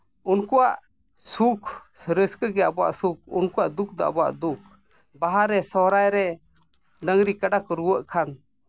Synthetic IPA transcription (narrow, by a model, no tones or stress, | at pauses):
unkuwaʔ | sukʰsɾəskəɡɛabɔwa̰ʔsuk̚unkuwa̰ʔd̪uk̚d̪ɔa̰bɔwa̰ʔd̪uk̚ | baɦaɾɛsɔɾajɾɛ | ɖəŋɾikaɖakɾuwəʔkʰan